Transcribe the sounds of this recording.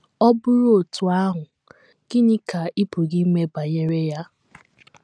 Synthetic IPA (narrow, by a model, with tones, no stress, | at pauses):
ɔ˦bʊ˦ɾʊ˦o˨tu˨a˦ɦʊ˨ | ɡ̥ɪ˦ɲɪ˦ka˨i˦pu˨ɡi˦me˦ba˨ɲe˦ɾe˦ja˦